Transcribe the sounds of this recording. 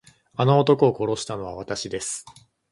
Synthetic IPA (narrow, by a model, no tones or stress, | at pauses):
ano̞ːt̪o̞koːko̞ɾo̞ɕi̥t̪ano̞β̞aβat̪aɕid̪e̞sɨ̥